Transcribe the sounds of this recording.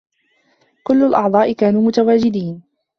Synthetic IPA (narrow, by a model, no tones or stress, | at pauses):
kʊlːʊlʔɑʕd̪ˤɑːʔɪkaːnuːmʊt̪awaːd͡ʒɪd̪iːn